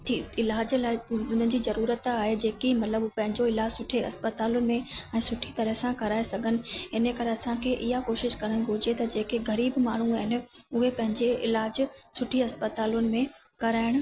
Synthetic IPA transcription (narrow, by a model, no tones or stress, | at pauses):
t̪ʰiːɪlaːd͡ʑlaːɪʊn̤əɪ̆d͡ʑiːzɐɾuːɾət̪aːɦed͡ʑeːkimɐt̪ləbpɐ̃ɦɪ̃ɲd͡ʑoɪlaːd͡ʑsʊʈʰeɐ̰spət̪aːlʊnɪ̆mẽɛ̃ːsʊʈʰit̪ɐɾəɦɪsãkɐɾaːesɐɡʱənɪ̆ɪnəkɐɾeɐsãkʰeʔɪɦakoːʃɪʃkɐɾəɽ̃ɪ̆ɡʱʊd͡ʑet̪ɐd͡ʑeːkeɡɐɾiːbmaːɳ̤uaːɦɪnɪ̆ʊɦepɐ̃ɦɪ̃ɲd͡ʑeɪlaːd͡ʑsʊʈʰiɐspət̪aːlʊnɪ̆mẽ | kɐɾaːɪɽ̃ʊ̆